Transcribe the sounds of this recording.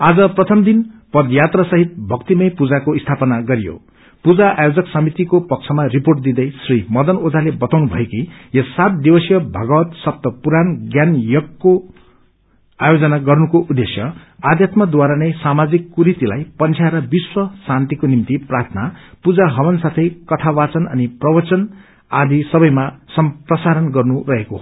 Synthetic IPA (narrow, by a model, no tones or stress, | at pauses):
ad͡zʌprʌt̪ʰʌmd̪inpʌd̪jat̪rʌsʌɦit̪̚bʱʌkt̪imʌjpud͡zakoist̪ʰapʌnaɡʌɾijo̰ | pud͡zaʔajod͡zʌksʌmit̪ikopʌk̚t͡sʰʌmariporʈ̚d̪id̪ʌjsrimʌd̪ʌnod͡zalebʌt̪awnubʱʌ̰ekijʌsːat̪̚d̪ibʌsjʌbʱʌɡʌwʌt̪sʌp̚t̪ʌpuɾanɡjanjʌkːo | ajod͡zʌnaɡʌrnukoʔud̪esjʌad̪ʱjat̪mad̪waɾanʌjsamad͡zikːuɾit̪ilajpʌnt͡sʰjaɾʌbiswʌsant̪ikonimt̪iprart̪ʰnapud͡zaɦʌwʌnsat̪ʰʌjkʌt̪ʰawat͡sʌnʌ̰niprʌbʌt͡sʌn | ad̪isʌbʌjmasʌmprʌsaɾʌnɡʌrnurʌɦeko